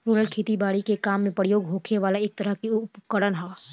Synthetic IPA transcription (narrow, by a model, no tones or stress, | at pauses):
ɾuːɾəlkʰeːt̪ibaːɽikekaːmːẽpəɽjoːɡɦoːkʰeʋaːlaeːk̚t̪ɐɾəɦkiʊʊpkəɽənɦa